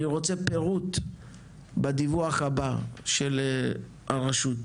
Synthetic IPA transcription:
iʁot͡sepeʁut̪ | bad̪ivuaχhabaʃel | aʁaʃut̪

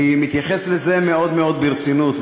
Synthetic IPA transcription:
imit̪jaχeslezemeo̞d̪meo̞d̪̚biʁt͡sinut̪

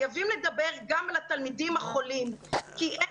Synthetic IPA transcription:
javimled̪abe̞ʁɡamalat̪almid̪imhaχo̞limkiʔe

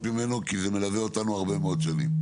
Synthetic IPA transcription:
mime̞nokizeme̞laveo̞t̪anuaʁbe̞meod̪ʃanḭm

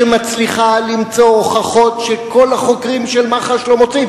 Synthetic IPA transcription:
emat͡sliχalimt͡so̞χaχo̞t̪ʃeko̞laχo̞kʁimʃelmaχaʃlo̞mo̞t͡siv

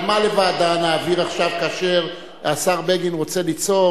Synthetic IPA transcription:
malevad̪anaːviʁaχʃavkaʃeʁ | asaʁbeɡinʁo̞t͡se̞lit͡so̞

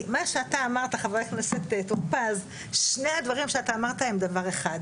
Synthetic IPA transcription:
maʃeat̪aːmaʁt̪aχaveʁekneset̪etuʁpaz | ʃnead̪vaʁimʃeat̪aːmaʁt̪aemd̪avaʁeχad̪

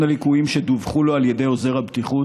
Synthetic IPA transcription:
nalikuimʃed̪uvχulo̞aljede̞jo̞ze̞ʁhabt̪iχu

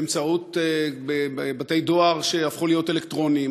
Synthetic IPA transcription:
emt͡saut̪bebebat̪ejdo̞aʁʃe̞afχulijo̞telektʁo̞nim

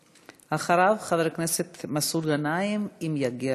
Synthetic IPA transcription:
haχaɾavχaðɾkneset̪masud̪ɡanajimimjaɡi

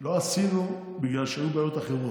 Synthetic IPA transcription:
lo̞asinu | biɡlalʃeajubeaːjo̞t̪aχeʁo

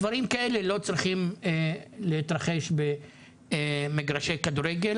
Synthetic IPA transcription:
vaɾimkae̞le̞lo̞t͡sʁiχim | let̪ʁaχe̞ʃbe | meɡʁaʃejkad̪uɾeɡel

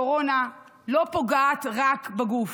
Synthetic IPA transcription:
oʁo̞na | lo̞po̞ɡaːt̪ʁakbaɡuf

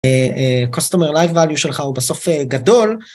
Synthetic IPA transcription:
eekostomeʁlajfːaljuʃe̞lχaubaso̞feɡado̞l

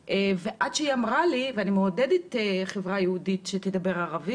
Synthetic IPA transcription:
ʔeveʔadʃeiamʁaliveanimeodediteχevʁajehuditʃet̪edabe̞ʁaʁavi

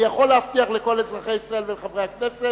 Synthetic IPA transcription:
jaχo̞lːehaft̪iaχleko̞let͡sʁaχejisʁae̞lveleχavʁeaknese

